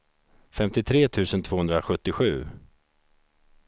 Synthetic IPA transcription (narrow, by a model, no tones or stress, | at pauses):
fɛmt̪ɪt̪ʰɾeːt̪ʰʉ̟ːsənt̪v̥oːɵnd̪ɾaɧɵt̪ːɪɧʉ̟ː